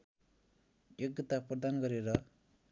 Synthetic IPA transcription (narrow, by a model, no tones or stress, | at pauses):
jek̚ɡʌt̪aprʌd̪anɡʌɾeɾʌ